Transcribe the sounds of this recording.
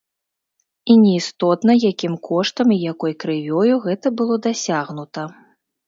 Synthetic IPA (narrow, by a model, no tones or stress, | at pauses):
inʲɛist̪ɔt̪nɐjakʲimkʰɔʂt̪ɐmijakɔjkɾɨvʲɔjuɣɛt̪ɐbɨlˠɔd̪asʲaɣnut̪ɐ